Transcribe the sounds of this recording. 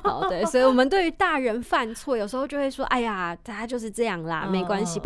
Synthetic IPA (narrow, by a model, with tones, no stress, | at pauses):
xɑ˨˩ʊt̪e˥˩swɔ˧˥i˨˩wɔ˨˩mə˦nt̪we˥˩ɪy˧˥t̪a˥˩ɻə˧˥nfa˥˧nt͡sʰwɔ˥˩jʊʂ̩ɻ̩˧˥xo˥˧ʊt͡ɕjo˥˧xwe˥˩ʂwɔ˥ʔa˥˩ɪja˩t̪ʰa˥˩a˧˥t͡ɕjo˥˧ʊʂɻ̩˥˧ʈ͡ʂɤ˥˧jɑ˥˩ŋlə̰˩me˧˥ɪkwa˥nɕi˨˩